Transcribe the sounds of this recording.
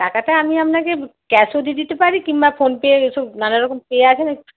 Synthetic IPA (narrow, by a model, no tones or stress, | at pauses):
ʈakaʈaamiamnakekɛsod̪id̪it̪epaɾikimbafonpeeʃɔbnanaɾɔkompeeat͡ɕʰena